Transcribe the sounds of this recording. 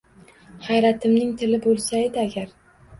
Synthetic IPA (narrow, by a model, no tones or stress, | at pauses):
hajɾat̪ʰɪmnɪŋt̪ʰɪlɪbolˠsajɪd̪ɪaɡʲaɾ